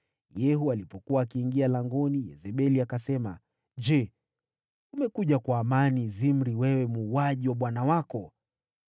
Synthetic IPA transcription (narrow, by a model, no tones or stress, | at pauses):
jɛɦualipɔkuwaːkiːŋɡialaŋɡɔnijɛ̰zɛɓɛliakasɛma | ʄɛ | umɛkuʄakwaːmanizim̩ɾiwɛwɛmuːwaʄiwaɓwanawakɔ